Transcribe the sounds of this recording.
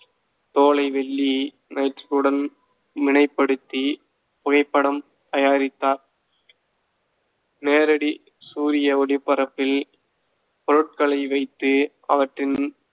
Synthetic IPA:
t̪oːlɐɪʋɛɭːi | nɐɪʈrɪlɯɽɐn | mɪnɐɪpːɐɽɯt̪ːi | pʊɣɐɪpːɐɽɐm | t̪ɐjaːɾɪt̪ːaːɾ | neːɾɐɽi | suːɾɪjɐɔɽɪpːɐɾɐpːɪl | pɔɾɯʈ̚kɐɭɐɪʋɐɪt̪ːɯ | ɐʋɐʈrɪn

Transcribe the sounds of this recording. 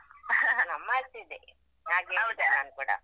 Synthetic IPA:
nɐmːat̪id̪e | naːɡeːʋd̪enaːnkuːɽɐ̰

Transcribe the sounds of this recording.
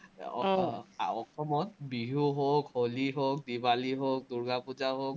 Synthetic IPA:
ɔkʰɔmɔt̚biɦuɦokoliɦok̚dibaliɦok̚duɹɡapuzaɦok̚

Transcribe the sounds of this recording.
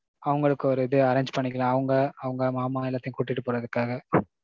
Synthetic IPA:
ɐʋɐŋɡɐɭɯkːɯɔɾɯɪðɯɐɾeːɲd͡ʒpɐɳːɪkːɐlãːɐʋɐŋɡɐɐʋɐŋɡɐmaːmaːɛlːaːt̪ɪjʊ̃kuːʈːɪʈːɯpoːɾɐðɯkːaːɣɐ

